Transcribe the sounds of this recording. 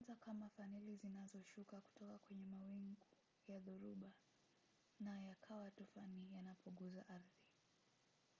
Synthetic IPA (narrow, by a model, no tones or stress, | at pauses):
zakamafanilizinazɔʃukaku̥tɔkakwɛɲɛmawiŋɡu | jaðuɾuɓa | najakʰawatufanijanapuŋɡuzaʔaɾði